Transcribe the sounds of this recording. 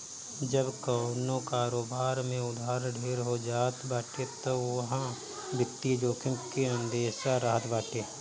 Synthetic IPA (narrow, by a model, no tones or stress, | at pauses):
d͡ʒəbkaːnõkaːɾoːbaːɾmẽʊd̪aːɾɖʱeːɾɦod͡ʒaːt̪ʰbaːʈet̪oɦã | bɪt̪ːid͡ʒoːkɪ̃mkiə̃nd̪eːʃaɾəɦət̪baːʈeː